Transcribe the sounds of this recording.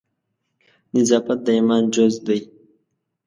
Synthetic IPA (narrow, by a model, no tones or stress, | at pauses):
nɪzɑːfat̪̚d̪əimɑːnd͡ʒozd̪aj